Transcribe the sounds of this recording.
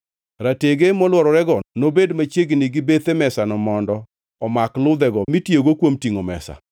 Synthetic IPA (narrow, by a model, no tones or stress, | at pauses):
ɾateɡemɔlwɔɾɔɾɛɡɔnobedmat͡ʃjeɡnɪɡɪbet̪emɛsanɔmɔndɔ | ɔmaklʊd̪ɛɡɔmitjeɡokwomtiŋomɛ̰sa̰